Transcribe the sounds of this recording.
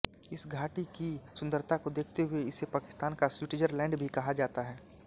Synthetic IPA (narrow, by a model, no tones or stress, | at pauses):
ɪsɡʱaːʈikisʊ̃nd̪əɾt̪ʰakod̪eːkʰt̪eɦʊeɪsepaːkɪ̥st̪aːnkaswɪʈɪd͡ʒəɾlɛ̃ːɳɖbʱikɐɦad͡ʒaːt̪aɦɛː